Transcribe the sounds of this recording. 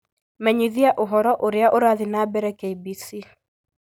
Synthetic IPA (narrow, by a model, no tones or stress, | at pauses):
mɛɲiðiaʔoɦɔɾɔʔoɾeaʔoɾaðinaːbɛɾɛkeibisi